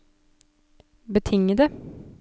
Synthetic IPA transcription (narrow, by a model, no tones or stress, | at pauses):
bət̪ʰɪŋːəd̪ɛ